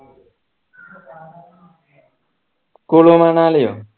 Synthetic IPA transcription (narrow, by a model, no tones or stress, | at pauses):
kolomanalejo̰